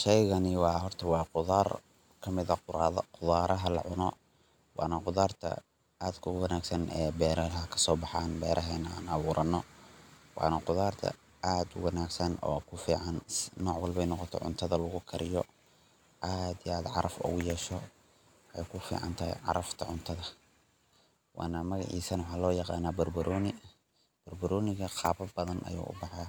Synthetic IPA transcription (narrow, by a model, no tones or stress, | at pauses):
ʃɛjɣɐnɪwɑːɦɔrt̪ʰɐwɑːqʊðaːr | kʰɐmɪðɐqʊðaːɾɐɦɐlɐ̰ʕʊnɔ | wʔɑ̰ːnɐqʊðaːrt̪ʰɐ̰ | aːd̪kʰʊwɐnaːɡsɐnʔɛːbɛːɾɐɦɐkʰɐ̥sɔːbɑħɑːnbɛːɾʔɐɦɛːnaːnɐβuːɾʔɐnːɔ | wɑ̰ːnɐqʊðaːrt̪ʰɐ̰ | ʔaːd̪ʊwɑnaːɡsɐnɔ̰ːkʰʊfiːʕɑnsnɔːʕwɐlbɛjnɔqɔt̪ʰɔ̰ʕʊ̰nt̪ʰɐðɐlɐɣʊkʰɐɾɪjɔ | ʔaːd̪ijaːd̪ʕɑɾʔɐfʊ̰ɣʊjɛːʃɔ | ʔɛjkʰʊfḭːʕɑ̰nt̪ʰɐɦɛ̰jʕɑ̰ɾɐft̪ʰɐʕʊnt̪ʰɐðɐ | wʔɑ̰ːnɐmɐɣɑ̰ʕiːsɐnwɑħɑːlɔːjɑqɑ̰ːnaːbɐrbɐɾʔɔːnɪ | b̥ɐrbʊɾɔːnɪɣɐqʰɑːbɐbɐðɐnʔɐ̰jṵːʔʊ̰bɑħɑ